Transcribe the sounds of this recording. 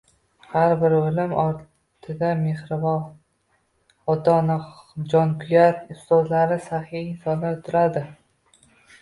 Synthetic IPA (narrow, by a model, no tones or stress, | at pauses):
haɾbɪɾɵlɪmɒɾ | t̪ʰɪd̪ame̞hɾɪvɒ | ɒt̪ʰɒnɪd͡ʒɒnkʰʊjat̪ɪst̪ozlaɾɪsahijɪnsɒnot̪ʰɪɾad̪ɪ